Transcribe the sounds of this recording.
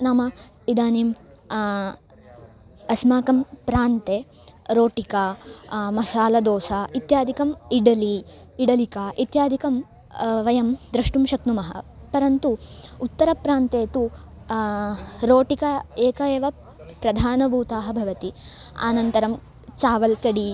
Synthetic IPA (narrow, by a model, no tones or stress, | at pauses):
naːmɐid̪aːniːm | ɐsmaːkɐmpɾaːnt̪eːɾoːʈikamɐʃaːlɐd̪oːsait̪jaːd̪ʱikɐmiɽɐliː | ɽɐlikaːʔit̪jaːd̪ʱikɐmʋɐjɐmd̪ɾɐʂʈumʃɐknumɐɦɐ̰ | pɐɾɐnt̪uːt̪ːɐɾɐpɾaːnt̪eːt̪u | ɾoːʈikɐeːkɐeːʋɐ | pɾɐd̪ʱaːnɐbʱuːt̪aːɦɐbʱɐʋɐt̪i | a̰ːnɐnt̪ɐɾɐm | t͡ʃaːʋɐlkɐɽi